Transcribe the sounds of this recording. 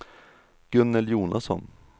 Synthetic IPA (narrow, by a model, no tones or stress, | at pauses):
ɡ̥ɵnːɛljuːnʔasɔ̰n